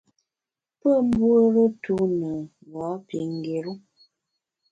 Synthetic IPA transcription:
pə˦˨m̩˦bwə˦ɾə˦tu˦nə˨ | ɣɔ˨˦pi˨ŋ˨ɡe˨ɾu˦

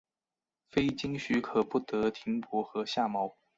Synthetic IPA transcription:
fe˥ɪt͡ɕi˥ŋɕy˧˥kʰɤ˨˩pu˥˩t̪ɤ˧˥t̪ʰi˧˥ŋpwɔ˧˥xɤ˧˥ɕja˥˩mɑ˧˥ʊ

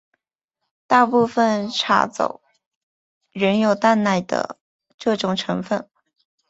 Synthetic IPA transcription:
t̪a˥˧pu˥˧fə˨˩nʈ͡ʂʰa̰˧˥t͡so̰˨˩ʊ | ɻə˧˥njo˨˩ʊt̪a˥˧nna˥˩ɪd̪ə̰˩ | ʈ͡ʂɤ˥˩ʈ͡ʂʊ˨˩ŋʈ͡ʂʰɤ˧˥ŋfə˥˩n

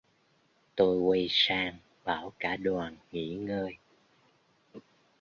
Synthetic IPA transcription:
t̪o˧jwə˧jsaː˧ŋ | ɓaː˧˩wkaː˧˩ɗwaː˨˩nŋḭ˧˥ŋəː˧j

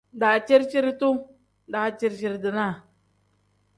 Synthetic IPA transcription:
da˨t͡ʃe˦ɾt͡ʃi˦ɾi˦t̪u˦ | da˨t͡ʃi˦˧ɾt͡ʃi˨ɾdə˨na˦˨

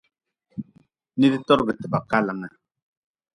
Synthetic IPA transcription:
ni˦di˦tɔ˦ɾɡə˨tə˨ba˨ka˦lə˨ŋa˨

